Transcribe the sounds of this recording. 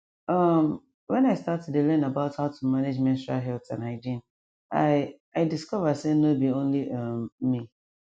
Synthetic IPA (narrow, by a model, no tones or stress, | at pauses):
ʌm | wɛ̃naɪstatɛdelɛ̃nabaʊthaʊtʰumaned͡ʒmɛ̃nsalɦɛltã̰naɪdĩn | aɪ | aɪdiskɔvəsenobiõnliʔʌmmi